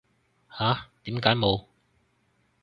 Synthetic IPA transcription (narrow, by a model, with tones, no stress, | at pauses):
haː˨˥t̪iː˨˥mkaː˨˥jmo˨˧w